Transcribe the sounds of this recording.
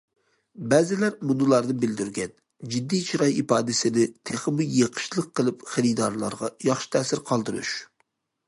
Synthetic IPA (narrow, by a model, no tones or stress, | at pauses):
bɛzɪlæɾmunɨlˠɑɾd̪ɨbɪld̪yɾɡʲɛn | d͡ʒid̪ːit͡ʃʰɾɑjipɑːd̪ɪsɪnɪt̪ʰeχəmujjeqʰə̥ʃlˠəqːəlˠɨpχɪɾid̪ɑɾlˠɑ̰ɾʁɑjɑχʃɪ̥t̪ʰɛːsɪɾqʰɑlˠd̪ɨɾṵʃ